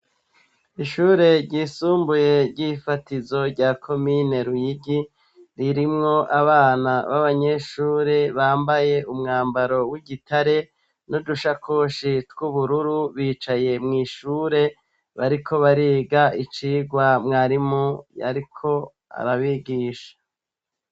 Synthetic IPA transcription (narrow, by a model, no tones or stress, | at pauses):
iʃuːɾe̞ɾɟiːsuːmbuje̞ɾɟifatizo̞ɾɟaːkʰo̞mine̞ɾujiɡi | ɾiɾimŋo̞ʔaβaːnaβaβaɲe̞ʃuːɾe̞βaːmbaje̞ʔumŋaːmbaɾo̞wiɡitʰaɾe̞ | noduʃakʰo̞ʃitɡ̥uβuɾuɾuβiːt͡ʃaje̞mŋiːʃuːɾe̞ | βaɾikʰo̞βaɾiːɡait͡ʃiːɡwamŋaːɾimoa̰ɾikʰo̞ | a̰ɾaβiɡiːʃḁ